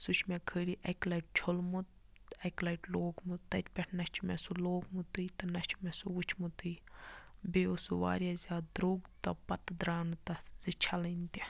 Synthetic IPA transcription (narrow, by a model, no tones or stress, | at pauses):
sut͡ʃʰmekʰəːɽiʔɐklɐjʈ̚t͡ʃʰolmut̪̚ | ɐklɐʈloːɡmut̪t̪ːɐt͡ʃpʲɛʈʰnɐt͡ʃʰmesuloːɡmut̪ɨjt̪ɐnɐt͡ʃʰmesuut͡ʃʰmut̪ɨj | beːosuʋa̰ːɾjazʲaːd̪ɾoːɡt̪ɐpɐt̪d̪ɾaːnut̪ɐz̥it͡ʃʰɐlɐnt̪i